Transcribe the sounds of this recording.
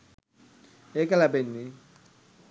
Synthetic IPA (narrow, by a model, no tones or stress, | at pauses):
ekalabenːi